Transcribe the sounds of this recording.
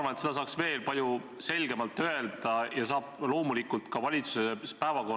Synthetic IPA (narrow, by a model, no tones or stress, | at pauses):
vɑnet̪sed̪ɑsɑːksve̞ːlpɑlʲju | se̞lɡ̥e̞mɑlt̪ːˑøe̞ld̪̥ɑjɑsɑːb̥lo̞ːmulikːˑult̪kɑvɑlʲit̪su̥sespævɑko